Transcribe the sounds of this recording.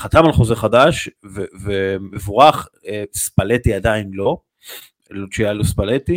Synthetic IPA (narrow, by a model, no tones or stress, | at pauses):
χat̪amalχo̞zeχad̪aʃvevemevuʁaχ | espalet̪iad̪ainlo̞ | lot͡ʃijaluspalet̪i